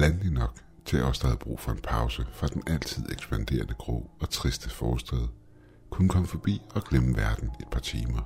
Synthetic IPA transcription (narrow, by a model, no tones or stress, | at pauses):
lænlinɒ̽ɡ̥ | t͡sʰeɒsd̥æðˠb̥ʁṵːfɒ̽e̝npʰɑ̈ʊsəfʁɑ̈d̥enʔæl̰t͡sʰið̞̰ˠeɡ̥sb̥ænd̥e̝̰ːɐnəɡ̥ʁɔ̰̽ːɒ̽t͡sʰʁisd̥əfɒːsd̥ɛðˠ | kʰunəkʰɒ̽məfɒ̽b̥ḭːɒ̽ɡ̥leməʋæɐd̥n̩e̝d̥̚pʰɑ̈t͡sʰiːmɐ